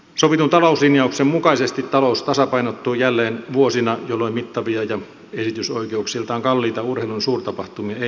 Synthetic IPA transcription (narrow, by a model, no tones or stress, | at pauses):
soʋit̪unt̪ɑlouslinjɑuksemmukɑisest̪it̪tɑloust̪ɑsɑpɑinot̪ːuːjælːeːnʋuosinɑjolːoimit̪ːɑʋiɑjɑ | esit̪ysoikeuksilt̪ɑːŋkɑlːiːt̪ɑurheˑilunsuːrt̪ɑpɑht̪umiɑe